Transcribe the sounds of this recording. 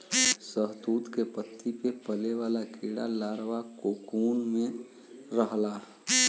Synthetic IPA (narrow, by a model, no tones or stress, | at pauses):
səɦd̪uːt̪kepət̪ʰːipepəleʋaːlakiːɽa̰laːɾʋakokuːnmẽ | ɾəɦla